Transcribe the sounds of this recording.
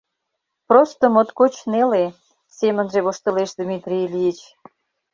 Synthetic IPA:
prost̪omot̪kot͡ɕnele | semə̆nʒeβoʃt̪ə̆leʃd̪mit̪rʲilʲijit͡ɕ

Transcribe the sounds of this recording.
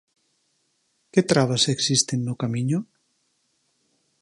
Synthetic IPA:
ket̪ɾaβaseksist̪enːokamiɲo

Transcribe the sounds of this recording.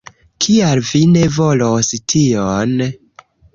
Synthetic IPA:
kʰialvine̞vo̞lostʰion

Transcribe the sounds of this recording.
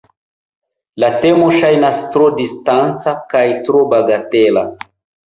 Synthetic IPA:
late̞moʃajnastɾodistant͡sakajtɾobaɡatela

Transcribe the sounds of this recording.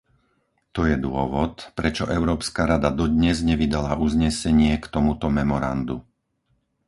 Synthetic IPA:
t̪ɔjɛd̪ʊɔʋɔt̪pɾɛt͡ʃɔʔɛʊɾɔːpskaɾad̪ad̪ɔd̪ɲɛzɲɛʋid̪alauzɲɛsɛɲɪɛkt̪ɔmut̪ɔmɛmɔɾa̰nd̪u

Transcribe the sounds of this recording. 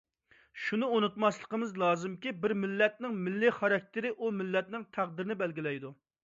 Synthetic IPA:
ʃunɨonut̪mɑslˠə̥qəmɨzlˠɑːzɨmkʲibɪɾmɪlːɛt̪̚nɪŋmɪlːɪχɑɾɑk̚ʲt̪ʰɪɾɪʔumɪlːɛt̪nɪŋt̪ʰæqd̪ɪɾɪnɪbɛlɡʲilɛjd̪u

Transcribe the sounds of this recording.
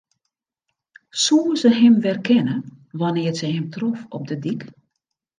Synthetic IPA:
suəzəɦɪmʋɛrkʰɛnə | ʋɔnɪərsəɦɛmtrɔfɔ̰p̚dədik

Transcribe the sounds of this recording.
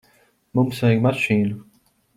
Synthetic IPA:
mumsvɛjɡmaʃiːnu

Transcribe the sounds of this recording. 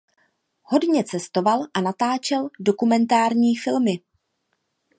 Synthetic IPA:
ho̞dɲɛt͡sɛst̪o̞valʔanat̪aːt͡ʃɛldo̞kumɛnt̪aːɾɲiːfɪlmɪ

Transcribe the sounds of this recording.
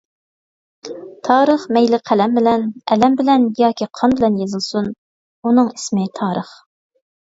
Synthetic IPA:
t̪ʰɑːɾəχmɛjlɪqʰælɛmbɪlɛnɛlɛmbɪlɛnjɑːkʲʰiqʰɑnbɪlɛnjezɨlˠsun | unɨŋi̥smɪt̪ʰɑːɾəχ

